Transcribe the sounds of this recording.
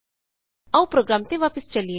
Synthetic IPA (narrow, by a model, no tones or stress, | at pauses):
awpɾoːɡɾaːmt̪eʋaːpəst͡ʃɐlie